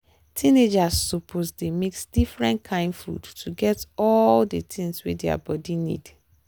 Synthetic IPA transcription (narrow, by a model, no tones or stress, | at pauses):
tʰĩned͡ʒassupʰosdemeksdifɹɛ̃ntkʰãɪ̃ndfɹṵttʰːuɡɛtɔldətʰĩŋswḭdɛa̰bɔdinḭd